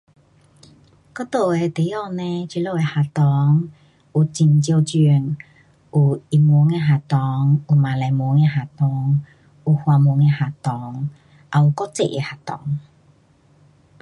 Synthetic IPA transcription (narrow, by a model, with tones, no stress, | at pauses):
kɔ˥˦t̪o˨e˧t̪e˨˦jɔ˥˧˨nẽ˧t͡ɕi˧˦lo˧˨e˧ha˨˩t̪ɔ˨˦ŋ | u˨˩t͡ɕi˧˩nt͡ɕjo˧t͡ɕi˧˩ŋ | ʔu˨˩i˧˩mu˨˧˦ŋe˧ɦa˨t̪ɔ˨˦ŋu˨˩mã˨la˨jmu˨˧˦ŋe˧ɦa˨t̪ɔ˨˧˦ŋ | u˨˩hwa˨˧mu˨˧˦ŋe˧ha˨t̪ɔ˨˦ŋ | ʔa˧u˨˩kɔ˦˥t͡sḛ˧˨ʔḛ˧ha˨˩t̪ɔ̰˨˦ŋ